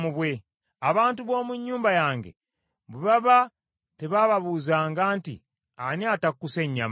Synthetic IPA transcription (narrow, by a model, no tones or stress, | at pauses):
muβwe | aβaːntuβo̞ːmuɲːuːmbajaːŋɡḛ | βuβaβa | teβaβaβuːzaːŋɡaːntḭ | aniatakukːuse̞ɲːa̰m